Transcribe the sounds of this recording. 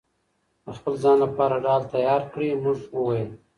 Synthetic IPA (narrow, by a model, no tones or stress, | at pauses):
d̪əxpəlzɑnlapɑɾaɖɑːlt̪ajɑːɾkɽimʊʐəwajəl